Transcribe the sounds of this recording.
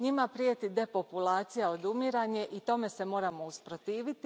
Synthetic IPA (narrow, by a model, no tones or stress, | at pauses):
ɲimapɾijet̪id̪e̞po̞pulaːt̪sijao̞d̪umiɾaɲe̞ʔit̪o̞me̞se̞mo̞ːɾamo̞uspɾo̞t̪iːʋit̪i